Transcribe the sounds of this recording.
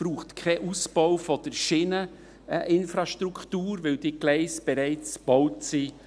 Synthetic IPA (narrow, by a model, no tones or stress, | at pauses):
b̥ɾuːχtkʰɛʔusb̥ɔʊfɔd̥əɾʃiːnə | ʔɪnfɾɑʃtɾukʰtuːɾvɪld̥iːɡ̥lɛɪsb̥ɛɾɛɪt͡sb̥ɔʊtsi